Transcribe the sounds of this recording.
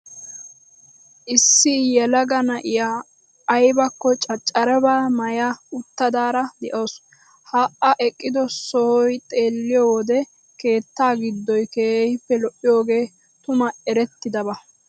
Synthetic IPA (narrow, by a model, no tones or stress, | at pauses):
ʔɪsːɪjɛlɐɡɐnɐʔɪjaː | jbɐkːɔt͡ʃʼɐt͡ʃʼːɐɾɛbaːmɐjaʊt̪ːɐd̪aːɾɐd̪ɛʔoːs | haːʔɐʔɛkʼːɪd̪ɔsɔhɔjt̪ʼe̞ːlːɪjɔwɔd̪ɛ | ke̞ːt̪ːaːɡɪd̪ːɔjkeːhɪpːɛlɔʔːɪjo̞ːɡe̞ː | t̪ʊmɐɛɾɛt̪ːɪd̪ɐβɐ